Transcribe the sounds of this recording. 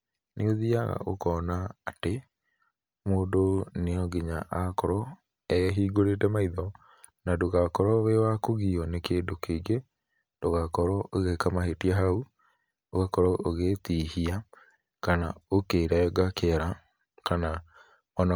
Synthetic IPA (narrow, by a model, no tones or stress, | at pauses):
neoðiaɣa̰ʔo̰kɔːnaːte | moːndoneɔɡiɲaʔakɔɾɔ | ɛɦiːɡoɾetɛmaiðɔ | nadoɣakɔɾɔβewakoɣiɔnekeːndokeɡe | d̥oɣakɔɾɔoɣekamahetiaɦau | oɣakɔɾɔʔoɣetiːhia | kanaokeɾaɛɡakeɾa | kana | ɔna